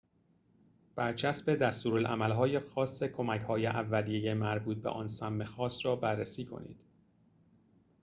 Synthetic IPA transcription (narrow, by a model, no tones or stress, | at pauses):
b̥æɾt͡ʃʰæsbe̞d̪æst̪uːɾolʔæ̰mælɦɒːje̞xɒːsːekʰo̞mæchɒːjeʔævːælijejemæɾbuːt̪̚bḛʔɒ̰ːnsæmːe̞xɒːsɾɒːbærːesiːkʰo̞̰nḭːd̪̥